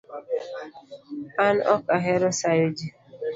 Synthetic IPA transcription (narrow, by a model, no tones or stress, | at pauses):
anɔ̰kaɦɛɾɔsajod͡ʒi